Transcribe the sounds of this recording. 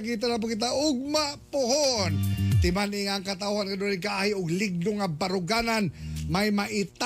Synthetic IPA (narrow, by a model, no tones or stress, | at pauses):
kiːt̪̬anap̬ʊkɪt̪̬aʔʊɡ̚mapʊhont̪ɪmanɪŋaŋkat̪̬auhankad̪olɪkaʔahɪʊɡlɪɡ̚noŋabaɾʊɡananmajmaʔɪt̪